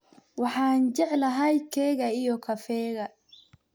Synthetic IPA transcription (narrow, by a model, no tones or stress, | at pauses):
wɑħɑːnd͡ʒɛʕlɐɦɐjkʰɛːɣɐijɔkʰɐfɛːɣɐ